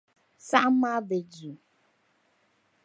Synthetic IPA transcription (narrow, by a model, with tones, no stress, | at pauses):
sa˦m˦mã˦be˨d͡zu˨